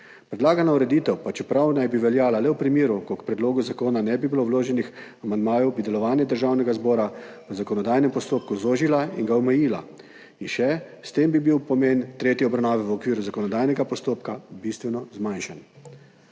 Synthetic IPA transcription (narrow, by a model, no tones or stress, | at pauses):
pɾɛd̪laːɡanauɾɛd̪iːt̪ɛwpat͡ʃɛpɾawnajbiʋɛljaːlalɛwpɾimiːɾukɔkpɾɛd̪loːɡuzakoːnanɛbibilowloːʒɛnixamand̪maːjɔwbid̪ɛlɔʋaːnjɛd̪əɾʒaːwnɛɡazbɔːɾaʋəzakɔnɔd̪aːjnɛmpɔst̪oːpkuzoːʒilaiŋɡaɔmɛjiːla̰ | inʃɛ | st̪eːmbibiwpɔmeːnt̪ɾeːt̪jiɔbɾawnaːʋɛʋɔkʋiːɾuzakɔnɔd̪aːjnɛɡapɔst̪oːpkabist̪ʋɛnɔzmajnʃan